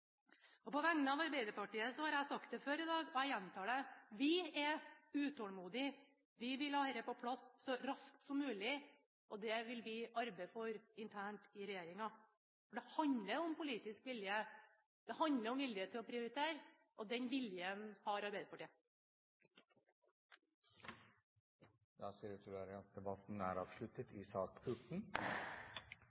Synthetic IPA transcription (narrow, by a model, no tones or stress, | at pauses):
ɔpɔʋæŋnəɑʋɑɾbæɪd̪əɾpʰɑʈiːəsɔhɑɾæɪsɑkt̪̚d̪ɛføːɾɪd̪ɑːɡɔæjɛnt̪ʰɑːɖɛʋɪɛʉːt̪ʰɔːlmuːd̪ɪ | ʋɪʋɪlɑːɛɾəpɔpʰlɑsːɔɾɑskt̪sɔmːʉːlɪ | ʔɔd̪ɛʋɪlʋɪʔɑɾbɛɪfɔɾɪnt̪ʰæːɳʈɪɾɛjeːɾɪŋɑ | fɔɖɛhɑnləɾʊɔmpʊliːt̪ɪskʋɪljə | d̪̥ɛhɑnləɾɔmʋɪljət̪ʰːɪɔpʰɾɪʊɾɪt̪ʰeːɾ | ʔɔd̪ɛnʋɪljənhɑɾɑɾbeɪd̪əpɑʈiː | d̪ɑːsiːɾʉt̪ʰːæɾəɑt̪̚d̪ɛbɑt̪n̩æ̰ːɾɑːʋʂlʉt̪ət̪ʰɪsɑːkpʰʉʈɳ̩